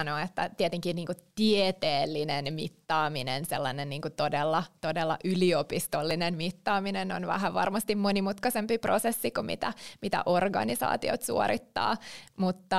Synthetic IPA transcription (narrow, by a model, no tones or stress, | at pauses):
noet̪ːæt̪iet̪eŋkinniːŋkut̪iet̪eːlːinenmit̪ːɑːminḛnselːɑnenniːŋkut̪odelːɑt̪odelːɑ̰ʔyliopist̪olːinenmit̪ːɑːminenonʋæ̰ɦæʋʋɑ̰rmɑst̪immonimut̪kɑsempiprosesːikumḭt̪æmit̪æ̰ʔorɡɑ̰nisɑ̰ːt̪io̰t̪sṵo̰ɾit̪ːɑ̰ːmut̪ːɑ